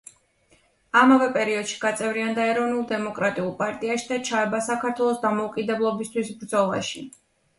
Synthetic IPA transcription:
amavɛpʼɛɾiɔd̪̥ʃi̥ɡ̥at̪sʼɛvɾiand̪aɛɾɔvnulˠd̪ɛmɔkʼɾat̪ʼiulˠpʼaɾt̪ʼiaʃid̪at͡ʃʰaɛbasakʰaɾt̪ʰwɛlˠɔsd̪amɔukʼid̪ɛblˠɔbist̪ʰwisbɾd̪zɔlˠa̰ʃi

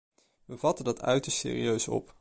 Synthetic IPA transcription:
ʋəvɑtəndɑtʰœ̰ɥtəɹstsɪ̰ːrḭøɥsɔ̰p

